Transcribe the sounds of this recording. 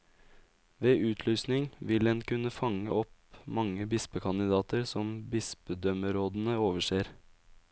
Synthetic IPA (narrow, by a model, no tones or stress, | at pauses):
ʋeːʔʉːt̪ʰlyːsnɪŋʋɪlɛnkʉnəfɑŋə̰ɔpmɑŋːəbɪspəkʰɑnɪd̪ɑːt̪əɾsɔmbɪspəd̪œməɾoːd̪n̩əoːʋəʂeːɾ